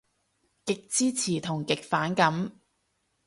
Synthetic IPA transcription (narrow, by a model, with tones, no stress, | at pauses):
kɪ˨k̚t͡siː˥t͡sʰiː˨˩t̪ʰʊ˨˩ŋkɪ˨k̚faː˨˥nkɐ˨˥m